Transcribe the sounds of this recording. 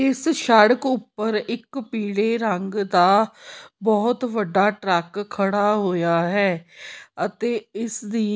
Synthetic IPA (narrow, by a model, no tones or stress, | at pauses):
ɪsʃəɽəkʊpːəɾɪkpiːɽeːɾəŋɡd̪aːbɔːt̪ʋəɖːaːʈɾɛːkʰːəɽaːɦoːjaːɦɛːət̪eːɪsd̪iː